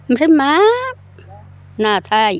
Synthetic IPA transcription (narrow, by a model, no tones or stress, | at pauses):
msima | nat̪ʰaj